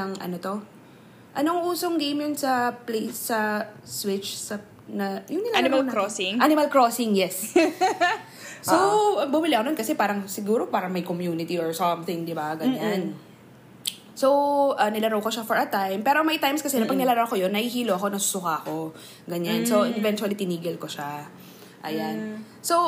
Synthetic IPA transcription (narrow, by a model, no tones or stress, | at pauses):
ɐŋɐ̰not̪o̞ | ʔɐnoŋʔuːsoŋɡejmjonsɐplejsɐswɪt͡ʃsɐ | nɐjʊŋnɪlamlkɾosɪŋʔanɪmɐlkɹosɪŋjɛs | soɐbʊmɪlɪɐkononkɐsɛpaːɾɐŋsɪɡuːɾo̞paːɾɐŋmɐjkomjuːnɪt̪iɔɹsɔmθɪ̃ŋd̪ɪbaɡɐɲan | sowʔɐnɪlɐɾowkoʃafɔɹɐt̪ajmpɛːɾomɐjt̪ajmskɐsɛnɐpɐɡ̚nɪlɐɾɐwkojonːɐhihiːloʔɐko̞nɐsʊ̥sʊkaɐko̞ | ɡɐɲansoʔɛvɛnt̪wɐlit̪ɪniːɡɪlkoʃa | ʔɐjan | sow